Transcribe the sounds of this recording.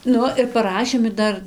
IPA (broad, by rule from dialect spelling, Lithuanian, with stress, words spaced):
ˈnʊ ɪr pɐˈrɑːʃʲeːm ɪr ˈdɐr